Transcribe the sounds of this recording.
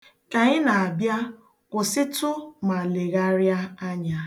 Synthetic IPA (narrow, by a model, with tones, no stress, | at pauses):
ka˨ɲɪ˦na˨a˨bja˦ | kʷʊ˨sɪ˦tʊ˦ma˨le˨ɣa˦ɾja˦a˦ɲa˨